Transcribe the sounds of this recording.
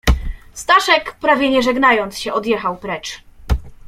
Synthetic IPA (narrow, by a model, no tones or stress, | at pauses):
st̪aʂɛkpɾavʲjɛɲɛʐɛɡnajɔnt̪sɕɛʔɔd̪jɛxawpɾɛt͡ʂ